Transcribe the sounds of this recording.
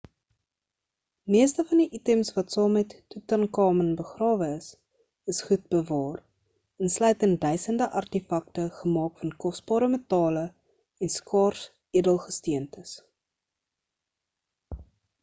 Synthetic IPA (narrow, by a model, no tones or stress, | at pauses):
miəstəfɐndiʔitɛmsvɐtsɑːmɛtːutɐnkɑːmənbəχrɑːvəəs | əsχut̚bəvɑːr | ənslœɥtənt̚dœɥsəndəʔɐrtifɐk̚təχəmɑːkfɐnkɔs̚b̥ɑːɾəmətɑːlə | ɛnskɑːrs | iədəlˠχəstiəntəs